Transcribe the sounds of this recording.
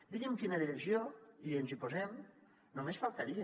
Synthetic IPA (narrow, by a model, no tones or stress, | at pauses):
d̪iɣimkinaðiɾezjoienzipozem | nomesfalˠt̪aɾie